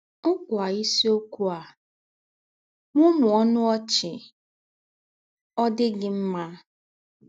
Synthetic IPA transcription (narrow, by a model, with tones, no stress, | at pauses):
ŋ̩˦kʊ˨a˨i˦si˦o˦ku˦a˨ | ŋʷʊ˦mʊ˨ɔ˦nʊ˦ɔ˦t͡ʃɪ˨ | ɔ˦dɪ˦ɡɪ˦m̩˦ma˦